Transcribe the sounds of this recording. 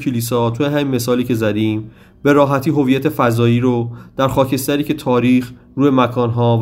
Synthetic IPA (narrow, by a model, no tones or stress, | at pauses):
kʰeliːsɒːt̪ʰujeɦæminme̞sɒːliːcʰe̞zæd̪iːm | be̞ɾɒːɦæt̪ʰiːɦo̞viːjæt̪ʰe̞fæzɒːjiːɾod̪̥æɾxɒːcʰe̞st̪æɾiːcʰe̞t̪ʰɒːɾiːx | ɾuːjemækʰɒːnɦɒːv